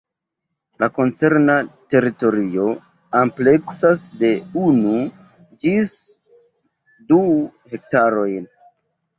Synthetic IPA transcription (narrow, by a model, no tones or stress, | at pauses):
lako̞nt͡se̞ɾnate̞ɾito̞ɾio̞ | ample̞ksasde̞unu | d͡ʒis | duhe̞k̚taɾo̞jn